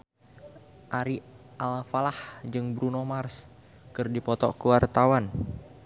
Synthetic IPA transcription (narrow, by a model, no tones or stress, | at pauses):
ʔaɾi | ʔalfalahd͡ʒɨŋbɾunomars | kɨrdipɔt̪ɔ̰kəwart̪awan